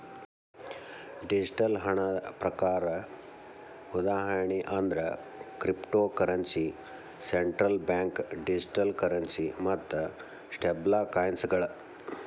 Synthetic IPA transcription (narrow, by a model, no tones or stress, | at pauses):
ɖid͡ʒiʈɐlɦɐɳɐpɾɐkaːɾɐ | ud̪aːɦɐɾɳiʔɐnd̪ɾɐ | kɾipʈoːkɐɾɐnsi | seɳʈɾɐlbjaːŋkɖid͡ʒiʈɐlkɐɾɐnsimɐt̪ːɐ | sʈeblaːkaːjnsɐɡɐɭɐ